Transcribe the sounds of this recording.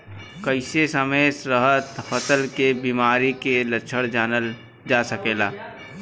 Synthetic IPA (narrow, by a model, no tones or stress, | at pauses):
kəɪsesəməjsɾəɦət̪fət̪əlkebiːmaːɾikelət͡ʃʰəɽd͡ʒaːnəl | d͡ʒaːsəkeːlaː